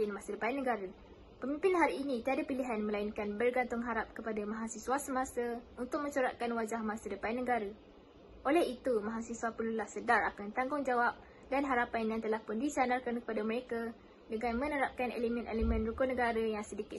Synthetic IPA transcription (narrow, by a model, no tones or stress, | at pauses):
ɪnmãsədəpajanːəɡaɾə | pəmĩmpɪnɦaɾiːnit̪iadapiliɦanmə̃lainkanbərɡant̪ʊŋɦaɾap̚kəpadamãɦasisuasəmãsəunt̪ʊk̚mə̃ɲt͡ʃuɾaʔkanwad͡ʒahmãsədəpajnːəɡaɾə | ʔolɛɦit̪umãɦasisuapəlulahsədaɾakant̪aŋɡʊŋd͡ʒawap̚ | danɦaɾapanjaŋt̪əlahpʊndisanarkankə̥padamə̃ɾeka | dəŋãnmə̃nəɾap̚kanḛlimɛ̃nʔḛlimɛ̃nrukʊnə̃ɡaɾəjaŋsədikɪ